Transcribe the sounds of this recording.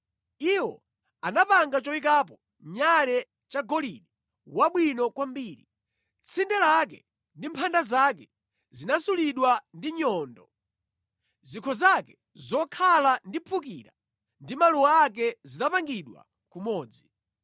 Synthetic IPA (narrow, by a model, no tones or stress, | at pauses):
iwɔ̰ | anapaŋɡat͡ʃɔik̬ap̬ɔ | ɲaɾɛ | t͡ʃaɡɔliɗi | waɓwinɔkwambiːɾi | t͡sʰindɛlakɛ | ndimpʰandazakɛ | zinasuliɗwandiɲɔːndɔ | zikʰɔzakɛ | zɔkʰalandipʰuk̬iːɾa | ndimaluwaak̬ɛzinapaŋɡiɗwa̰ | kumɔːd͡zi